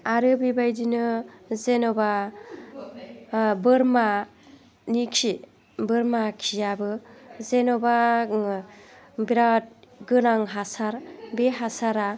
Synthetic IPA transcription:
aɾɯbibajdinɯzenɔba | bɯɾma | nikʰi | bɯɾmakʰijabɯzenɔba | biɾat̚ɡɯnaŋɦasaɾbeɦasaɾa

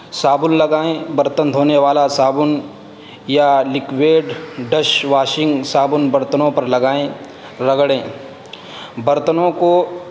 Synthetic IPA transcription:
saːbʊnlɐɡaːẽbɐɾt̪ənd̪ʱɦoːneʋaːlasaːbʊn | jalɪkʋeːɖɖɐʃʋaːʃɪ̃ŋɡsaːbʊnbɐɾt̪ənõpɐɾlɐɡaːẽ | ɾɐɡɽẽː | bɐɾt̪ənõko

